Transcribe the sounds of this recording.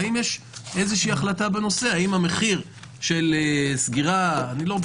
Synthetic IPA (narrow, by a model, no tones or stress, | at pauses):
imjeʃ | ezeʃiiaχlatabeno̞se̞haimame̞χiʁ | ʃe̞lesɡiʁaːnilod